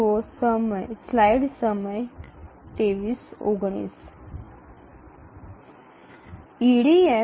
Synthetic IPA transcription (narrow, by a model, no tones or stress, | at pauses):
osəməjslajɽsəməj | t̪eʋiːso̰ɡɳ̃ḭs | iɽie